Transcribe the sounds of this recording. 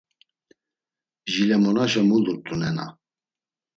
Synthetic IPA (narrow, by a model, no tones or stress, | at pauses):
ʒilɛmɔnaʃɛmuluɾt̪ʼunɛna̰